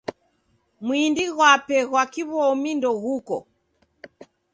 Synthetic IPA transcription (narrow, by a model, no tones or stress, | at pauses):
mwindiɣwapɛɣwakiβɔmindɔɣukɔ̰